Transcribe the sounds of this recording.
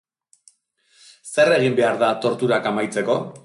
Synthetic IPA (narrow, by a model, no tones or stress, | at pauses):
se̞re̞ɣ̞imbe̞aɾðat̪o̞ɾt̪uɾakamajt͡se̞ko̞